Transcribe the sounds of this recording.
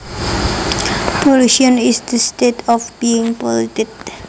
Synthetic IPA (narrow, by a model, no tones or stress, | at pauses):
pɔluʃə̃nisd̪əstetʰɔfbiɪ̃ŋpɔlitid